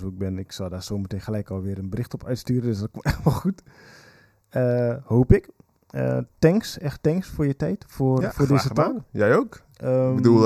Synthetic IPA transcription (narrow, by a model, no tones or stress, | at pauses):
oɪɡ̚bɪnɪksɔldaːsoːmətenxəlɛjkɔlˠʋɪəɾənbərɪxtɔpʰœɥtstyːrəndøsdɔt̚komtɛʋɔxut | əhoːpɪk | ə̰tɛŋksɛxtɛŋksfʊːrjətɛjtfofoːdɪzətakjɛjoːk | bədu